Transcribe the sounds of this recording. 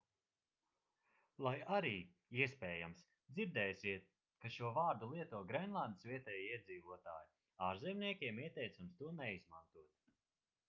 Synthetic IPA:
lˠajaɾiː | iɛspʲɛːjams | d̪ziɾd̪ɛːsʲiɛt̪̚ | kaʃuɔvaːɾd̪ulˠiɛt̪uɔɡɾɛnlˠand̪sviɛt̪ɛːjiiɛd̪ziːvuɔt̪a̰ːju | aːɾzɛmniɛkʲiɛmiɛt̪ɛjt̪samst̪uɔnɛizmant̪uɔt̪

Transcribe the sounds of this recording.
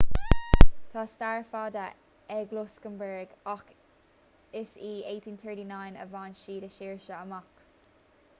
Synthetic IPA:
t̪ʰɑːstaɹfɑd̪ə | ɛɡlʊskəmbɛɹɡɔk | ɪsiːeːtʰiːnθɜɹɾiːnaɪnə̰vɑːnʃiːdəʃiːɹʃəəmɔk

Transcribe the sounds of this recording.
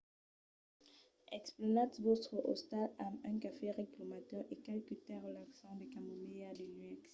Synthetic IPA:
ɛksplɔnat̪vost̪χəʔost̪alamɛ̃kafeʁeklɔmat̪œʁekalkyt̪ɛʁəlaksɑ̃d̪ekamomead̪ənɥɛks

